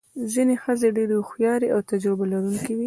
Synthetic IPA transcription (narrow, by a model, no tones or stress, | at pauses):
zinexəzeɖeɾexjɑɾeʔawt̪ad͡ʒɾɪbalaɾuŋkiwi